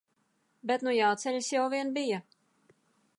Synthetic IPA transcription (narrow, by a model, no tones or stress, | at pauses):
bet̪nujawt̪sɛʎʲsjawviɛnbija